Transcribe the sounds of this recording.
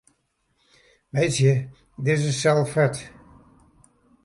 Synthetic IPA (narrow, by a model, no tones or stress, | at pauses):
ʋejsjə | dɪsəsɛlˠfɛt